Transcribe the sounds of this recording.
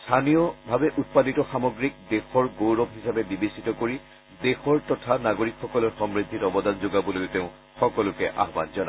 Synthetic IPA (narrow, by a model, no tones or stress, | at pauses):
stʰanijɔbʱabɛʔut̚paditɔxamɔɡɹik̚dexɔɹɡowɹɔbɦisabɛbibisitɔkoɹi | dexɔɹtɔtʰanaɡoɹikxɔkɔlɔɹxɔmɹit̪ːitɔbɔdanzoɡabɔlojteʊ̃ | xɔkɔlʊkɛʔa̰ɦba̰nzɔna